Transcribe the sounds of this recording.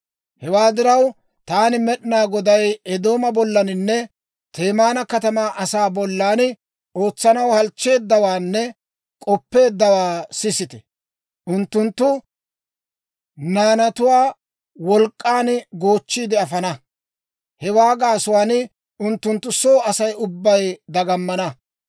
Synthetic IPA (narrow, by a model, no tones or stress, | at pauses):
hɛwaːd̪ɪɾɐw | t̪aːnɪmɛɗɪnaːɡɔd̪ɐjɛd̪o̞ːmɐbɔlːɐnɪnːɛ | t̪e̞ːmaːnɐkɐt̪ɐmaːʔɐsaːbɔlːaːn | o̞ːt͡sːɐnɐwhɐlt͡ʃːe̞ːd̪ːɐwaːnːɛ | kʼɔpːe̞ːd̪ːɐwaːsɪsɪt̪ɛ̥ | ʔʊnt̪ːʊnt̪ːʊ | naːnɐt̪ʊwaː | wɔlkʼːaːnɡo̞ːt͡ʃːiːd̪ɪɐfɐnɐ | hɛwaːɡaːsʊwaːnɪ | ʊnt̪ːʊnt̪ːʊsoːɐsɐjʊbːɐjd̪ɐɡɐmːɐnɐ